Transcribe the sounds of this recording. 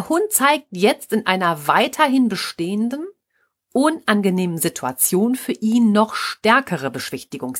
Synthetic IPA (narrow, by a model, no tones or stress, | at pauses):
ɐhʊnt̚t͡saɪk̚tjɛt͡stɪnʔaɪnɐvaɪtʰɐɦɪnbəʃteːəndən | ʔʊnʔanɡəneːmənzitʰua̰t͡sjoːnfyːɐʔiːnːɔχʃtɛɐkʰəʁ̞əbəʃv̥ɪçtɪɡʊŋs